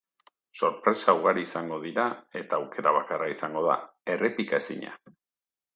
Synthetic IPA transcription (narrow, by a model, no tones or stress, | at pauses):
so̞ɾpɾe̞sauɣaɾiːsaŋɡo̞ð̞iɾae̞t̪aːwke̞ɾaβ̞akaraisaŋɡo̞ða̰ | e̞re̞pikaesḭɲa̰